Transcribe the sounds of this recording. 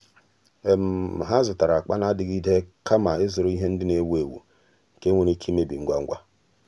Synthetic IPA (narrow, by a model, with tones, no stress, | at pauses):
e˨m̩˨ɦa˦zʊ˨ta˨ɾa˨k͡pa˦na˦dɪ˨ɡi˦de˦kʰa˦ma˨ɪ˦zʊ˨ɾʊ˦i˦ɦe˦n̩˦dɪ˦ne˦we˨wṵ˨ | ke˦ŋʷo˦ni˦kʰi˦me˦bḭ˨ŋ̩˦ɡʷa˦ŋ̩˦ɡʷa˦